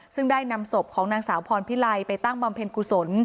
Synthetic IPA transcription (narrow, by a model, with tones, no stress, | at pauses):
sɯ˥˩ŋdaː˥˩jna˧mso˨˩p̚kʰɔː˩˦ŋnaː˧ŋsaː˩˦wpʰɔː˧npʰi˦˥la˧jpa˧jt̪a˥˩ŋba˧mpʰe˧nku˨˩so˩˦n